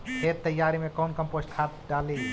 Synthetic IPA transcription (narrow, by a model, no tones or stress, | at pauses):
pʰeɾt̪əjːaɾimẽkonkəmposʈkʰat̪ɖali